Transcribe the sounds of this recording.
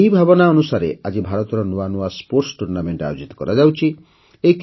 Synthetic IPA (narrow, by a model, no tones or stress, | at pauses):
jbʱabɔnaɔnusaɾḛʔad͡ʒibʱaɾɔt̪ɔɾɔnoanuaspoɾsʈuɾnameɳʈa̰jod͡ʒit̪ɔ̥kɔɾad͡ʒawt͡ʃʰi | ejk